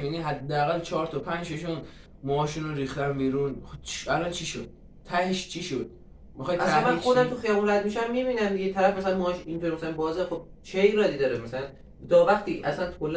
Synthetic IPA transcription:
miniɦæd̪ːeæɣælt͡ʃʰɒːɾt̪ʰɒpʰænd͡ʒʃeʃuːn | mɒɒːʃuːnoɾiːxt̪æmbiːɾuːnt͡ʃælɒnt͡ʃʰiʃod̪̥̚ | t̪ʰːæheʃt͡ʃʰiʃod̪̥ | mixɒjʔæsæænmæxo̞d̪æmt̪ʰuxijɒːbunɾæd̪̚miʃæmːiːβiːnæmd̪iɡet̪ʰæɾæfmæsælænmɔʃint̪oɾimæsælæanbɒːzexob̥̚ | t͡ʃʰejɾɒːd̪iːd̪ɒːɾemæsælæn | d̪ɒːvæχt̪iːʔæsænt̪kʰolː

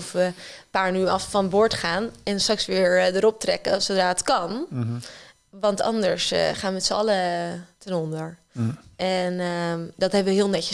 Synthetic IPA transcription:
fʋəpaːɹnyːɑffɑnbʊːɹtχaːnɛnstrɑksʋɪːɹdəɾɔp̚trɛkəsowdraːətkɑn | ʋɑntɑ̰ndəɹsχaːnmɛtsəɑlətɛnɔndəɹ | ɛndɑtɦɛbəʋəɦɪːlˠnɛcə

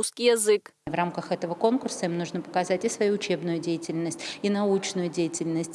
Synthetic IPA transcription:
uskʲijɐzɨkvramkəxɛt̪əvəko̞nkʊrsəimnuʐnəpə̥kɐzatʲɪsvɐjuʊt͡ɕe̞bnʊjʊdʲejɪtʲɪlʲnəsʲtʲinɐut͡ɕnʊjʊdʲejɪtʲɪlʲnəsʲtʲ

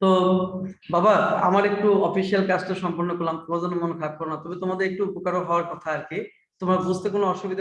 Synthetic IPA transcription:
t̪o | babaa̰maɾek̚ʈuɔfiʃialkad͡ʑʈoʃɔmpoɾnokolamkɔd͡ʑɔnomonekʰap̚kɔɾonat̪ɔbet̪omad̪eɾek̚ʈuupokaɾoɦɔoaɾkɔt̪ʰaaɾke | t̪omɾabud͡ʑt̪ekonoɔʃubid̪ʱa

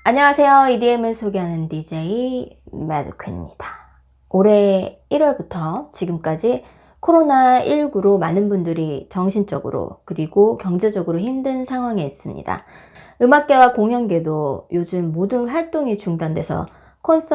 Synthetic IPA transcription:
aɲʌŋasʰe̞joidiemɯɭsʰoɡeɦanɯndid͡ʑeimadɯ̰kʰɯmɲid̥ḁ | oɾe̞iɾwʌɭbutʰʌt͡ɕiɡɯmk͈ad͡ʑi | kʰoɾonaiɭɡuɾomanɯnbundɯɾit͡ɕʌŋɕʰint͡ɕ͈ʌɡɯ̰ɾo̰kɯɾiɡokjʌŋd͡ʑe̞d͡ʑʌɡɯɾoçimdɯnsʰaŋɦwaŋeis͈ɯmɲḭda̰ | ɯmak̚k͈e̞wakoŋɦjʌnɡe̞dojod͡ʑɯmːodɯnɸwaɭt͈oŋit͡ɕuŋdandwe̞sʰʌ̰ | kʰons͈ʰ

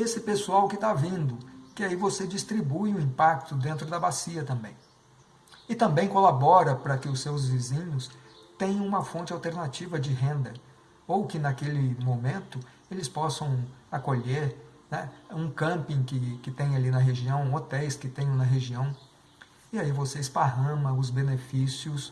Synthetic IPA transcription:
esɪpesuawkɪt̪avĩnd̪ʊkɪaivosed͡ʒist̪ɾibujʊĩmpak̚t̪ʊd̪ẽnt̪ɾʊd̪ɐbasiɐt̪ɐ̃mbḛ̃j̃ | ɪt̪ɐ̃mbẽj̃kolabɔɾɐpɾɐkɪʊsewzvizĩɲʊst̪ẽj̃ɐ̃ũmɐfõnt͡ʃɪawt̪eɾnat͡ʃivɐd͡ʒɪɦẽnd̪ɐ | owkɪnakelɪmõmẽnt̪ʊ | elɪspɔsɐ̃w̃akoʎeɾ | nɛũkɐ̃mpĩkɪkɪt̪ẽj̃alinɐɦeʒiɐ̃w̃ot̪ɛjskɪt̪ẽj̃ɐ̃nɐɦeʒiɐ̃w̃ | ɪaivoseɪspaɦɐ̃mɐʊzbenefisiʊs

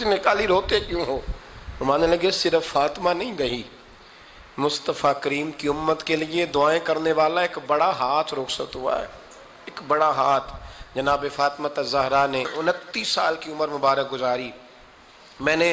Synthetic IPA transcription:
nɪkaːliɾoːt̪ekjũːɦoːmaːneləɡesɪɾəfːaːt̪ɪmanɐɦĩɡɐɦi | mʊst̪əfakəɾiːmkiʊmːət̪kelɪed̪ʊaːẽkɐɾneʋaːlaɪkbɐɽaɦaːt̪ʰɾoːksəkt̪ɦʊa̰ːɛ̰ː | ɪkbɐɽaɦaːt̪ʰd͡ʒɐnaːbefaːt̪mat̪azɐɦɾaneʔʊnət̪ːiːsaːlkiʊməɾmʊbaːɾək̚ɡʊzaːɾiː | mɛ̃ːne

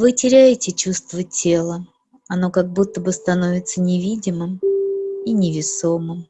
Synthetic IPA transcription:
vɨtʲɪɾʲæjɪtʲɪt͡ɕust̪vətʲʰe̞lˠə | ɐno̞kɐɡ̚but̪ːəbɨst̪ɐno̞vʲɪt̪sənʲɪvʲidʲɪmɨm | inʲɪvʲɪso̞mɨm

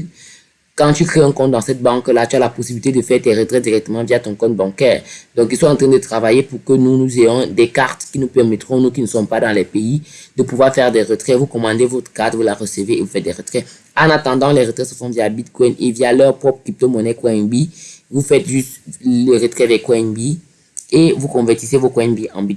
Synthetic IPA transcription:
kɑ̃t̪ykχeɛ̃kɔ̃t̪̚d̪ɑ̃sɛt̪̚bɑ̃klat̪yalapɔsibilit̪ed̪əfɛʁd̪ɛʁət̪χɛd̪iʁɛk̚t̪əmɑ̃vijat̪ɔ̃kɔ̃t̪̚bɑ̃kɛːʁd̪ɔ̃kilswaɑ̃t̪χɛ̃d̪ət̪χavajepuʁkənunuzejɔ̃d̪ɛkaʁt̪kinupɛʁmɛt̪χɔ̃nuk̬inəsɔmpad̪ɑ̃lɛpeid̪əpuvwaʁfɛʁd̪ɛʁət̪χɛvukɔ̃mɑ̃d̪evot̪χə̥kaʁt̪vulaʁəsəveːvufɛt̪̚d̪ɛʁət̪χɛ | ɑ̃nat̪ɑ̃d̪ɑ̃lɛʁət̪χɛsəfɔ̃vjabit̪kɔjnevijalœʁpχɔpχkip̚t̪omɔnɛkwɛ̃nbivufɛt̪ʒyst̪ləʁət̪χɛdɛkwɛnbi | evukɔ̃vɛʁt̪isevokwɛ̃nbiɑ̰̃bi

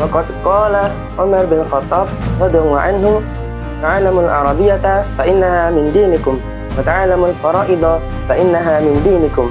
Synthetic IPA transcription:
wɑqɑd̪qɑːla | ʕʊmaɾbɪnlxɑt̪ˤːɑːbɾˤɑd̪jawaʕanhʊ | t̪aʕalːamalʕʔɑ̰ɾˤɑbɪjːafaʔɪnːahaːmɪnd̪iːnɪkʊm | wat̪aʕalːamalfɑɾˤɑːʔɪd̪ˤɑ | faʔɪnːaɦaːmɪnd̪iːnɪkʊm

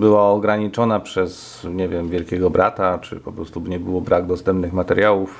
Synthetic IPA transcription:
bɘwaɔɡɾaɲit͡ʂɔnapʂɛs | ɲɛvʲjɛmvʲjɛlkʲɛɡɔbɾʔat̪at͡ʂɘ̰pɔpɾɔst̪ubɲɛbɘwɔbɾaɡd̪ɔst̪ɛmpnɘxmat̪ɛɾjawuf

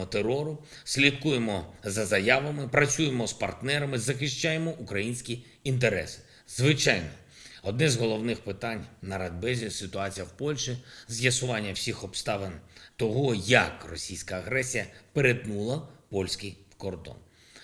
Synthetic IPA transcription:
ɔt̪eɾɔɾʊ | sʲlʲit̪kujemɔzɐzɐjaʋɐmɪpɾɐt͡sʲujemɔspɐrt̪nɛɾɐmɪzɐxɪʃt͡ʃajemɔʔukɾɐjinʲsʲkʲi | int̪̬eɾɛ̰sɪ̥ | zʋɪt͡ʃajnɔ | ɔd̪nɛzɦɔlˠɔwnɪxpɪt̪ɑnʲnɐɾɐd̪̚bɛzʲisɪt̪ʊɑt͡sʲijɐwpɔlʲʃizʲjɐsʊʋɑnʲːɐwsʲixɔpst̪ɑʋent̪ɔɦɔjɐkrɔsʲijsʲkɐːɣɾɛsʲijɐpeɾet̪nulˠɐpɔlʲsʲkɪjkɔrd̪ɔ̰n

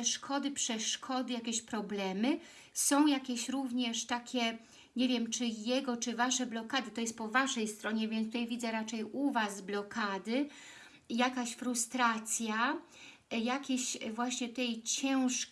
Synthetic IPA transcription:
ɛʂkʰɔd̪ɘpʂɛʂkʰɔd̪ɘjakʲɛɕpɾɔblɛmɘ | sɔ̃w̃jakʲɛɕɾuvɲɛʂt̪akʲɛ | ɲɛvʲjɛmt͡ʂɘjɛɡɔt͡ʂɘvaʂɛblɔkad̪ɘt̪ɔjɛst̪̚pɔvaʂɛjst̪ɾɔɲɛvʲjɛnt̪ut̪ajvʲid̪zɛɾat͡ʂɛjuvasblɔkad̪ɘ | jakaɕfɾust̪ɾat̪sʲja | jakʲeɕvwaɕɲɛt̪ɛjt͡ɕɛw̃ʂ

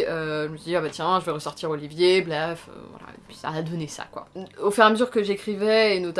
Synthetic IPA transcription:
øʒəməsid̪iabat̪jɛ̃ʒəvɛʁəsɔʁt̪iʁolivjebʁɛfø̰vwa̰la̰ḛpɥi̥sa̰ad̪əvənesa̰kwa̰ofyʁaməzyʁkəʒekχivɛenot̪a

